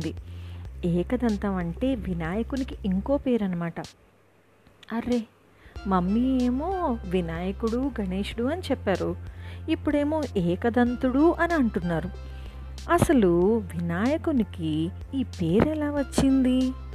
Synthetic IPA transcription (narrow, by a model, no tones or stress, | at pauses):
d̪i | ɛːkɐd̪ɐnt̪ɐʋɐɳʈe̞ːʋinaːjɐkunikiiŋko̞ːpe̞ːɾɐnɐmaːʈɐ | ɐɾe̞ | mɐmːieːmo̞ːʋinaːjɐkuɽuɡʱɐne̞ːʂuɽuɐnit͡ʃɛpːaːɾuipːuɽe̞ːmo̞ːʔɛːkɐd̪ɐnt̪uɽuʔɐniɐɳʈunːaːɾu | ɐsɐluʋinaːjɐkuniki | iːpe̞ːɾɛlaːʋɐt͡ʃːind̪i